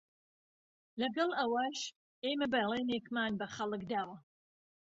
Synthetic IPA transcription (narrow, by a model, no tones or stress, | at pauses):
lɐɡɐlˠɐwaːʃ | eːmɐbɐjlˠenekmaːnbɐχɐlˠɨkd̪aːwɐ